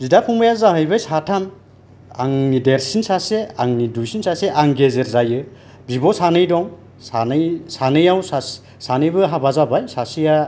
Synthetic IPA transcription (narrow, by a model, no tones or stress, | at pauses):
zidapʰuŋbajazaɦɯjbɯjsatʰan | a̰ŋnideɾsinsaseaŋnidujsinsaseʔaŋɡezeɾzajɯ | bibɔsanɯjdɔŋ | sanɯjsanɯjawsa | sanɯjbɯɦabazabajsasija